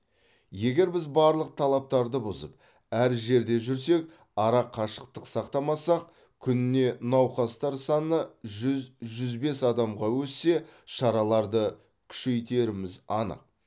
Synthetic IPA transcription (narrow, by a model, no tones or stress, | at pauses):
je̞ɡʲe̞ɾbɪzbɑɾlˠəq̚t̪ʰɑlˠɑp̚t̪ɑɾd̪əbʊzə̰p̚ | æɾʒe̞ɾd̪e̞ʒʏɾs̬e̞k | ɑɾɑqʰɑʃəq̚t̪əqsɑqt̪ɑmɑsɑq̚ | kʲʰʏnɪne̞nɑwqɑst̪ɑɾsɑnəʒʏzʒʏzbe̞sɑd̪ɑmʁɑwɵsːe̞ʃɑɾɑlˠɑɾd̪ə | kʲʰʏ̥ʃe̞jt̪e̞ɾɪmɪzɑnə̰q̚